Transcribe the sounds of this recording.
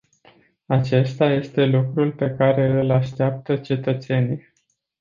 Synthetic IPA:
at͡ʃe̞st̪aje̞st̪e̞lukɾulpe̞kaɾe̞ɨlaʃt̪eap̚t̪ət͡ʃe̞t̪ət̪se̞nij

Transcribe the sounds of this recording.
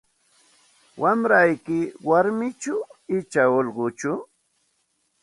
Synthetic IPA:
wamɾajkɪwaɾmɪt͡ʃʊɪt͡ʃaolɢʊt͡ʃʊ

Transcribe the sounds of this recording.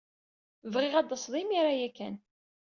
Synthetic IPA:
vʁɪʁæd̪əsðˤimiɾajækːæ̰n

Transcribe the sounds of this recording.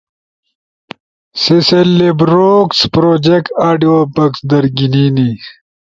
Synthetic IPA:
siselːebɾokspɾoːd͡ʑekʈaːɖiobɐksd̪ɐɾɡinini

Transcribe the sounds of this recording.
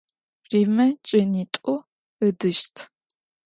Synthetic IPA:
riːmɐt͡ʃʼɐniːtʼʊ | ədɨʃtʰ

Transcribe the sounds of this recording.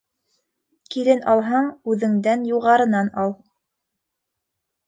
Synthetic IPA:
kilɘnɑlˠɦɑɴʉðɘ̆ŋd̪ænjuʁɑɾɤ̆nɑnɑlˠ

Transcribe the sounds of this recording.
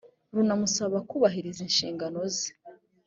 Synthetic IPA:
ɾunamusaβakuβaɦiɾizinʃḭːŋɡano̞zi̥

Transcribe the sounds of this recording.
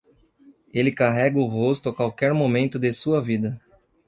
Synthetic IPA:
elɪkaɦɛɡɐʊɦost̪ʊakwawkɛɾmomẽnt̪ʊd̪esuɐvid̪ɐ

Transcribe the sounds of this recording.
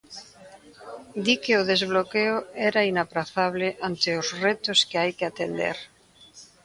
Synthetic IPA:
d̪ikeoðezβlokeoɛɾainapɾaθaβ̞leʔant̪eozret̪oskeajkeat̪end̪ḛɾ

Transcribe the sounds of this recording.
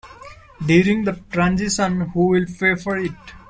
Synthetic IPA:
ɖjuːɾɪ̃ŋd̪əʈɾãnzɪʃə̃nhuːʋɪlpeːfɔɾɪʈ

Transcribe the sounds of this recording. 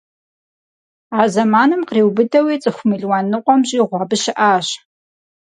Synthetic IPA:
aːzɐmaːnɨmqreːwbɨdɐwiːt͡sʼɨxʷʊmiɮwaːnɨqʷɔmʑʼiːʁʷɑːbɨʃɪʔaːɕ

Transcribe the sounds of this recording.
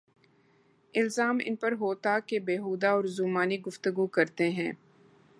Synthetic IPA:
ɪlzaːmɪ̰npɐɾɦoːt̪akebeːɦuːd̪aɔːɾzuːmaːniɡʊft̪əɡukɐɾt̪eɦɛ̃ː

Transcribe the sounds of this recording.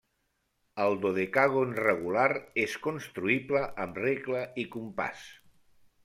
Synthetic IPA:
əlˠd̪oðekaɣonreɣulaɾeskonst̪ɾuipləʔːmreɣləikumpa̰s

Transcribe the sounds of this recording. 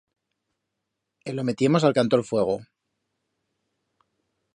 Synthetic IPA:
elo̞me̞t̪je̞mo̞s̬alkant̪oɾfwe̞ɣ̞o̞

